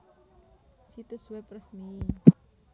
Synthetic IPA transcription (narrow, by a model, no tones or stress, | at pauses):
sit̪əswɛpɾəsni